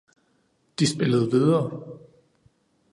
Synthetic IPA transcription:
d̥isb̥e̝ləð̞̩ˠʋiðˠɐː

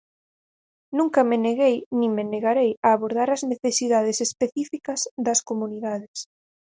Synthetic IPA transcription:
nũŋkɐmɪneɣejnĩŋmeneɣaɾejɐːβoɾðaɾɐzneθesiðað̞esespeθifikɐzðɐskomuniðaðɪs

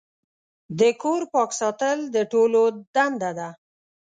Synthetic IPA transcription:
d̪əkoɾpɑksɑt̪əld̪əʈolod̪and̪ad̪a

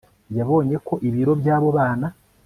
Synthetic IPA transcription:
jaβo̞ːɲe̞ko̞ʔiβiɾo̞bjaːβo̞βaːna

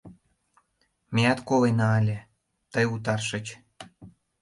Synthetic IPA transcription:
mʲejɑt̪kolenɑːlʲĕ | t̪əjut̪̬ɑrʃə̆t͡ɕ

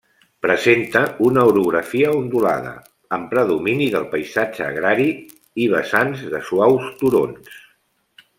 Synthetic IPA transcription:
pɾəzent̪əunəuɾuɣɾəfiəund̪ula̰ðə̰ | əmpɾəðuminiðəlˠpəjzad͡ʒəːɣ̞ɾaɾi | iβ̞əsanzðəswawst̪uɾo̰ns

